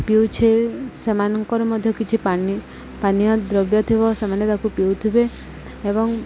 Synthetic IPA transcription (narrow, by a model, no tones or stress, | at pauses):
piwt͡ʃʰesemanɔŋkɔɾɔmɔd̪ʱjɔkit͡ʃʰipani | panijɔd̪ɾɔbjɔt̪ʰibɔsemanjɔt̪akupiwt̪ʰibe | ebɔŋ